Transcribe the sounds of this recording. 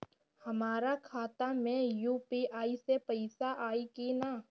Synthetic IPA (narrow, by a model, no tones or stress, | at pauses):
hɐmaːɾakʰaːt̪amẽjuːpiaːisepɐɪsaʔaːikina